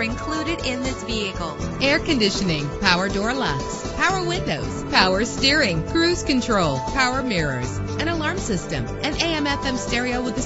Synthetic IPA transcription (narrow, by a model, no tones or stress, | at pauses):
ɨ̃nkʰl̥uɾɨɾɪ̃nðɪsviɨkl̩ˠɛɹkɨ̃ndɪʃɨnɪ̃ŋpʰaʊə˞dɔɹlɛks | pʰaʊə˞wɪ̃ndoʊz̥pʰaʊə˞stɪɹɪ̃ŋkʰɹ̥ʉz̥kɨ̃ntʰɹ̥oʊlˠpʰaʊə˞mɪɹə̰˞z | ɨ̃ɾ̃əlɑɹmsɪstɨ̰̃mʔɨ̃neɪɛ̃mɛfɛ̃mstɛɹioʊwəðɨ